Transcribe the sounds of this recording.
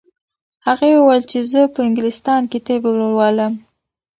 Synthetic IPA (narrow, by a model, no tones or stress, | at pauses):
haɣawuwajlt͡ʃezəpəɪŋɡɪlɪst̪ɑnket̪ebelowɑləm